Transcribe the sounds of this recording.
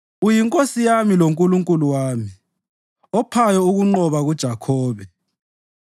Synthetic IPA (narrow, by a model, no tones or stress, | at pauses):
ujiŋkʼosijamiloŋkʼuluŋkʼuluwaːmi | ɔpʰajɔuɣuŋ͡ǃɔβaɣud̥ʒ̥ʱakʰɔːβɛ